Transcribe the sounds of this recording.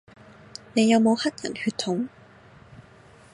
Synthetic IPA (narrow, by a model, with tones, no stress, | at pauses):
ne˨˧jɐ˨˧wmo˨˧whɐ˥t̚jɐ̰˨˩nhyː˧t̪̚ʰʊ˨˥ŋ